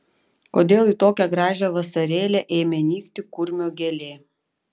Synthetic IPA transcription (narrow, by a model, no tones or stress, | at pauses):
koːd̪ʲeːlˠiːˑt̪oːkʲɛɡɾɑːʒʲɛʋɐsɐɾʲeːlʲɛʔɛːɪmʲɛnʲiːkt̪ʲɪkʊɾʲmʲoːɡʲɛlʲeː